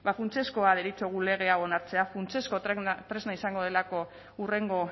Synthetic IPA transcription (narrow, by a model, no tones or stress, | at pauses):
bafunt͡se̞sko̞aðeɾit͡so̞ɣ̞ule̞ɣ̞e̞ao̞naɾt͡se̞afunt͡se̞sko̞t̪ɾe̞znaisaŋɡo̞ð̞e̞lako̞ | ure̞ŋɡo̞